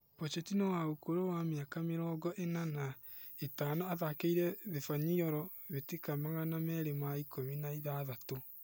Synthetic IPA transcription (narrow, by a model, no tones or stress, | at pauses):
pɔt͡ʃɛtinawaokoɾowameakameɾɔːɡɔʔenana | etaːnoaðakeiɾɛðefaɲiɔɾɔ | βetekamaɣanamɛɾemaikominaiðaðato